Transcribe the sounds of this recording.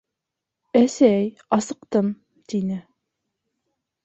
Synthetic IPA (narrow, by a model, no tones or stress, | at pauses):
æsæj | ɑsɤ̆qt̪ɤm | t̪inɘ